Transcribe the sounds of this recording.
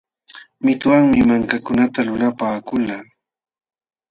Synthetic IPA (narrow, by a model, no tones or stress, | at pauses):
mɪt̪waŋmɪmaŋkakʊnat̪alʊlapaːkʊlaː